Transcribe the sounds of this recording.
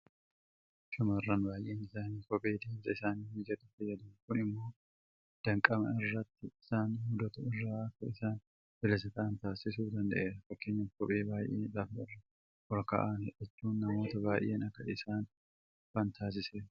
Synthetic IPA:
ʃʊmɐɪrːanbaːjʔeːnɪsaːniːkɔpʼe̞ːd̪eːmzɐɪsaːnihɪd͡ʒɐd̪ʊfɐjːɐd̪ɐːnkʊnɪmːo̞ː | d̪̥ɐŋkʼɐmɐ̰ɪrːɐt̪ːɪɪsaːnhʊd̪ɐt̪ʊɪrːaːɐkːɐɪsaːn | b̥ɪlɐsɐk̪ɐʔɐnt̪aːsɪs̬uːfd̪ɐnd̪ɐʔeːɾɐfɐkːe̞ːɲːɐkɔpʼeːbaːjʔḛːlaːfɪrːɐ | ʔɔɾkɐ̰ːʔaːnɛɛt͡ʃːuːnːɐmo̞ːt̪ɐbaːjʔeːnɐkːɐʔɪsaːn | faːnt̪ʰaːs̬ɪseːɾɐ

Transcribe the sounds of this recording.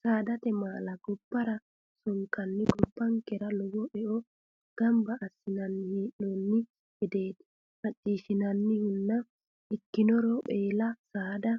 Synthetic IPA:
saːd̪ɐt̪ɛmaːlɐɡɔbːɐɾɐ | sɔŋkːɐnːɪɡɔbːɐŋkɛɾɐlɔwɔʔɛʔɔ | ɡ̥ɐmbɐʔːsːɪnɐnːɪhiːɗoːnːɪ | hɛd̪e̞ːd̪ɪ̥ | hɐtʼːiːʃɪnɐnːɪhʊnːɐ | ʔɪkːɪnɔɾɔʔeːlɐsaːd̪ɐ

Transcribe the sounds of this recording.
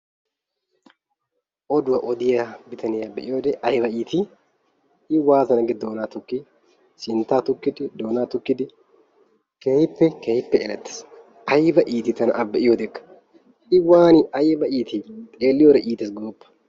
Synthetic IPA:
ʔɔd̪ʊwɐʔɔd̪ɪjɐbɪt̪ɐnɪɐbːɐʔɪjod̪ɛɐjbɐʔiːt̪ɪ | ɪwaːt̪ɐnɐɡɛd̪oːnaːt̪ʊkːɪ | sɪnt̪aːt̪ʊkːɪd̪ɪd̪oːnaːt̪ʊkːɪd̪ɪ | kejɪpːɛkejɪpːɛʔḛːlɐt̪ːɛ̥s | ʔɐjbɐʔiːt̪ɪt̪ɐnɐʔɐbːɐʔɪjod̪ɛkʼːɐ̥ | ɪwaːnɪʔɐjbɐʔiːt̪ɪt̪ʼeːlːɪjoɾɐʔiːt̪ɪsɡoːbːɐ̥

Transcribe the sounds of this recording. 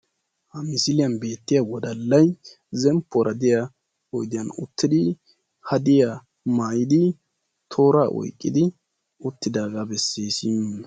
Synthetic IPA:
hɐmɪsɪlɪjɐnbe̞ːt̪ːɪjɐwɔd̪ɐlːɐj | zɛmpʰːɔɾʔɐd̪ɪja | ɔjd̪ɪjɐnʊ̰t̪ːɪd̪ɪ | hɐd̪ɪja | maːjɪd̪ɪ | t̪ʰo̞ːɾaːʔɔ̰jkʼːɪ̰d̪ɪ | ʊt̪ːɪd̪aːɡaːbɛsːeːsiːm

